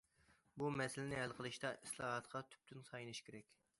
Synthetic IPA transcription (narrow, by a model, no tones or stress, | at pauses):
bumɛsɪlɪnɪælqʰəlˠɨʃt̪ɑʔislˠɑːɦɑt̪qʰɑt̪ʰy̥p̚t̪ʰynsɑjnɨʃkʲʰeɾɛkʲ